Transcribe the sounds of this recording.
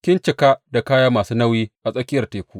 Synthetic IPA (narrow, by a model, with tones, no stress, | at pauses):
kʲɪ˦nt͡ʃɪ˨kaː˦da˨kaː˦jaː˦maː˨suː˦nɐ˦wjiː˦ʔa˨sʼɐ˦kʲɪ˦jɐ˨rteː˨kʷuː˦ʔ